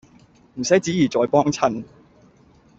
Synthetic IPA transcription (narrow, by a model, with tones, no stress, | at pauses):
m̩˨˩sɐ˨˥jt͡siː˨˥jiː˨˩t͡sɔː˨jpɔː˥ŋt͡sʰɐ˥n